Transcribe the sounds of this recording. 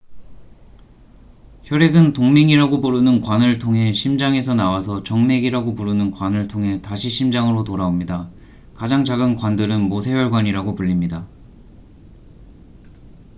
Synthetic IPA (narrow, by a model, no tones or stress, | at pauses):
çjʌɾe̞ɡɯntoŋmeŋiɾaɡopuɾunɯnkwanɯɭtʰoŋɦe̞ɕʰimd͡ʑaŋe̞sʰʌnawasʰʌt͡ɕʌŋme̞ɡiɾaɡopuɾunɯnkwanɯɭtʰoŋɦe̞taɕʰiɕʰimd͡ʑaŋɯɾotoɾaomɲida | kad͡ʑaŋd͡ʑaɡɯnkwandɯɾɯnmosʰe̞jʌɭɡwaɲiɾaɡopuʎːimɲida